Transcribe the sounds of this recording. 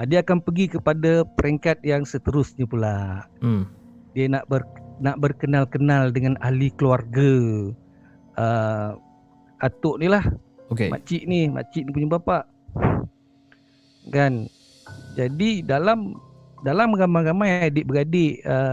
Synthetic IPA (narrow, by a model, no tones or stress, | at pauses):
adiakanpəɡikəpadapəɾɛŋkat̪̚jaŋsət̪əɾʊsɲapulaʔ | dianaʔbərnaʔbərkənalkənaldəŋanalikluarɡa | ə | at̪ʊʔnilah | okeʔa̰t͡ʃiʔnima̰t͡ʃiʔnipuɲabapaʔ | kan | d͡ʒadidalam | dalamɡamaɾamajadɪʔbəɡadɪʔə